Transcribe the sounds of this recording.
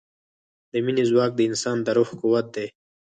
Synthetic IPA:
d̪əminizwɑːk̚d̪əinsɑːnd̪əɾuxkuwɐt̪̚d̪eː

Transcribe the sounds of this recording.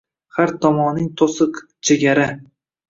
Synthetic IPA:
haɾt̪ʰɒmɒnɪŋt̪ʰosɨq | t͡ʃʰeɡʲaɾa

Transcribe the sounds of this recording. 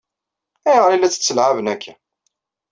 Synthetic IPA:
æjʁəɾilːæt͡sːə̥t͡sːəlʕavənækʰːæ

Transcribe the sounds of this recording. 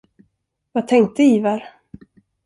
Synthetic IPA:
vat̪ʰɛŋk̚t̪əiːvaɾ

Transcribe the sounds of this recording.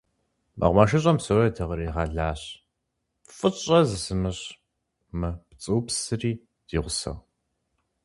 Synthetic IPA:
mɐ̰ʁʷmaʃɨɕ̬ʼɐmsowɐjɛtʰɐʁɐɾiːʁɑɮaːɕ | fʼɨɕʼɐzɨsɨmɨɕ | mɨpt͡sʼɨwpsɨriː | d̥iːʁʷʊsɐ̰ʁ

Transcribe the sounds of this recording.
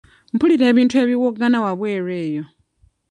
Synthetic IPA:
m̩pʰuliɾɛβintʰueβiwɔɡanawaβwɛɾɛːjɔ

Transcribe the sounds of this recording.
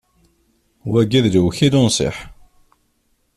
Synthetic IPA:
wæɡæðlwçid̪ʊnsˤɪ̰ħ

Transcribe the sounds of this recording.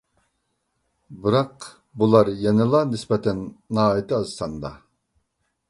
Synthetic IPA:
bɨɾɑq | bulˠɑɾjɛnɪlˠɑnɪsbɛt̪ʰɛnːɑːit̪ʰɨɑzsɑnd̪ɑ̰

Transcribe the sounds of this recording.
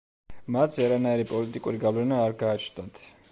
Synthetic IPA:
mat̪sʰaɾanaiɾipʼɔlit̪ʼikʼuɾiɡavlɛnaːɾɡaːt͡ʃʰnd̪at̪ʰ

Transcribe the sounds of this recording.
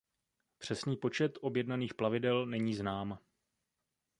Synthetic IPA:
pr̝̥ɛsniːpo̞t͡ʃɛt̪ʔo̞bjɛdnaniːxplavɪdɛlnɛɲiːznaːm

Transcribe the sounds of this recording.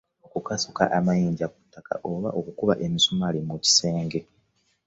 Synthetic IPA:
okukasoka̰ʔamajiːɲɟaku̥tːaka̰ʔoβaʔo̞kukuβaʔe̞misomalimuci̥se̞ːŋɡe̞

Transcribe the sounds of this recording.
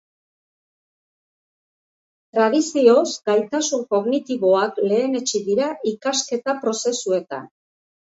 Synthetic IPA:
t̪ɾað̞isio̞zɡ̥ajt̪asuŋko̞ɣnit̪iβo̞akle̞ːne̞t͡ʃiðiɾaʔikaske̞t̪apɾo̞se̞sue̞t̪a̰n

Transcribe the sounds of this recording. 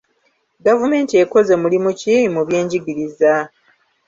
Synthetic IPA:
ɡavume̞ːntieko̞ze̞mulimucimuβje̞ːɲɟiɡiɾiza

